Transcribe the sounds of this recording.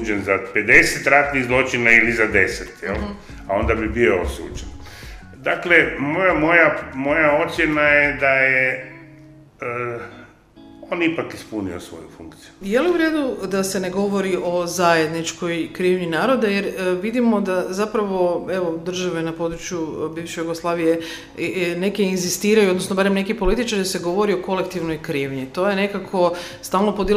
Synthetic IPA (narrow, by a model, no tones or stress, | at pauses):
d͡ʒenzaped̪eset̪ɾat̪niɣzlˠo̞t͡ʃinailizad̪e̞set̪jɛ̰l | ao̞nd̪abibioosṵːd͡ʒen | d̪aklemojamojamo̞jao̞t̪sʲjenajed̪aje | ə | onipakispuniosʋo̰jufṵŋkt̪sijujeliuʋɾed̪ud̪ase̞ne̞ɡo̞ʋo̞ɾiʔo̞zajed̪nit͡ʃko̞jkɾiːʋɲinaːɾo̞d̪aje̞ɾʋid̪imo̞d̪azapɾaʋo̞e̞ʋo̞d̪r̩ʒaʋe̞napo̞d̪ɾut͡ʃjubiːʋʃejuɡoslˠaːʋije | ne̞keinzist̪iːɾajuod̪nosnobaɾemne̞kipo̞lit̪it͡ʃaɾiase̞ɡo̞ʋo̞ɾio̞ko̞le̞kt̪iʋno̞jkɾiːʋɲit̪o̞jene̞kakʰo̞st̪aːlˠno̞pod̪i